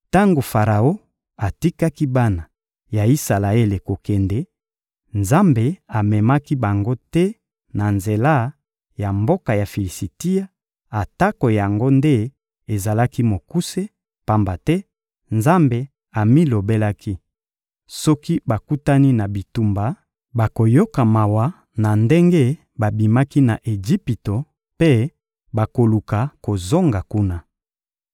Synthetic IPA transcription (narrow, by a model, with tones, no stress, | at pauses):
ta˦ŋɡo˨fa˨ʁa˨o˦ | a˨ti˦ka˦ki˦ba˦na˨ | ja˨i˦sa˨la˨e˦le˨ko˨kɛ˨ndɛ˦ | nza˦mbe˨a˨mɛ˨ma˦ki˦ba˨ŋɡo˦tɛ˦ | na˨nze˨la˦ | ja˨mbo˦ka˨ja˨fi˨li˨si˨ti˦a˦ | a˨ta˦ko˨ja˨ŋɡo˦nde˦ | e˨za˨la˦ki˦mo˨ku˦se˦ | pa˨mba˨tɛ˦ | nza˦mbe˨ | a˨mi˦lo˨be˦la˦kʰi˦ | sɔ˦ki˦ba˨ku˦ta˦ni˦na˨bi˨tu˨mba˨ | ba˨ko˨jo˦ka˨ma˨wa˦ | na˨nde˦ŋɡe˦ | ba˨bi˨ma˦ki˦na˨ʔe˨d͡ʒi˦pi˨to˨ | pe˦ | ba˨ko˨lu˨ka˨ko˨zo˦ŋɡa˨ku˦na˦